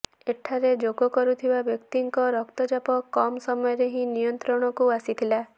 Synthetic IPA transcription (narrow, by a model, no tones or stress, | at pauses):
eʈʰaɾed͡ʒoɡɔkɔɾut̪ʰibabjɔkt̪iŋkɔɾɔkt̪ɔd͡ʒapɔkɔmsɔmɔjɔɾeɦĩnijɔnt̪ɾɔɽ̃ɔkuasit̪ʰila